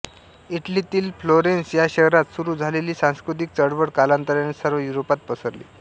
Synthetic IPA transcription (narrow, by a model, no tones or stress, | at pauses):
iʈlit̪iːlfloɾensjaɕəɦɾat̪suɾuːd͡zʱaleliːsãskɾut̪̬ik̚t͡səɽʋəɽkalant̪əɾanisəɾʋəjuɾopat̪̚pəsəɾlḭː